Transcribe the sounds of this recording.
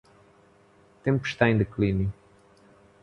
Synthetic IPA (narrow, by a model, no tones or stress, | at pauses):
t̪ẽmpuʃt̪aẽnd̪ɨklinju